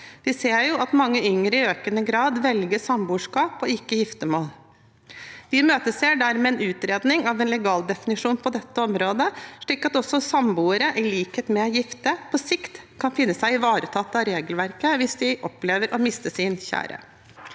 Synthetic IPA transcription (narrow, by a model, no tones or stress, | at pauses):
ʋɪseːɾjʊʔɑt̪mɑŋːəʏŋɾəɪøːkənəɡɾɑːd̪ʋɛlɡəʂɑmbuːʂkɑːpɔɪkːəjɪft̪əmoːl | ʋɪmøːt̪əseːɖæɾmɛːɛnʉːt̪ɾeːd̪nɪŋɑʋɛnlɛɡɑːld̪ɛfɪnɪʂuːnpʰɔd̪ɛt̪ːəɔmɾoːd̪əʂɭiːkɑt̪ɔsːɔsɑmbuːəɾəʔɪliːkhət̪mɛjɪft̪əpʰɔsɪkt̪kʰɑnfɪnːəsæɪɪʋɑːɾət̪ʰɑt̪ːɑɾeːɡəlʋæɾkəʋɪsd̪ɪʔɔpleːʋəɾʔɔmɪst̪əsɪnçæ̰ːɾə̰